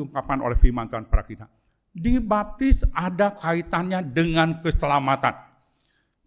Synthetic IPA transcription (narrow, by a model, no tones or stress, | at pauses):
uŋkap̚kano̰lɛhfilmant̪uanpaɾakit̪a | dibap̚t̪ɪsadakait̪anɲadəŋankəsəlamat̪an